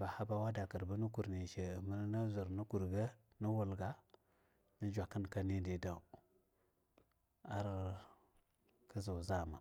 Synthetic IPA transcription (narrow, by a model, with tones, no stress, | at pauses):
ba˨ha˦ba˦wa˦da˨kə˨ɾbə˦nə˦ku˨ɾne˨ʃe˨ə˨mə˦lna˦zə˨ɾnə˦ku˨ɾɡə˦ | nə˦wu˨lɡa˦ | nə˦d͡ʒʷa˨kə˦nka˦ne˦de˨da˨u˨ | a˦ɾ | kə˦za˨za˦˨ma̰˨